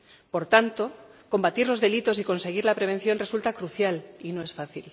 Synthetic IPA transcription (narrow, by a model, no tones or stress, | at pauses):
po̞ɾt̪ant̪o̞ko̞mbat̪iɾlo̞zðe̞lit̪osiko̞nse̞ɣ̞iɾlapɾe̞β̞e̞n̟θjo̞nre̞sult̪akɾuθjalinoe̞sfaθil